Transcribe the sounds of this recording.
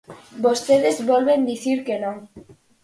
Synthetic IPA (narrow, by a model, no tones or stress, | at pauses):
bost̪eðezβolβend̪iθiɾkenõŋ